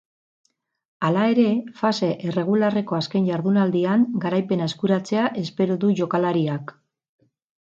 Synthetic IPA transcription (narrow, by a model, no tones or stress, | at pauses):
alae̞ɾe̞fase̞ʔere̞ɣ̞ulare̞ko̞aske̞nʝaɾðunald̪iaŋɡaɾajpe̞naeskuɾat͡se̞aʔe̞spe̞ɾoðuʝo̞kalaɾiak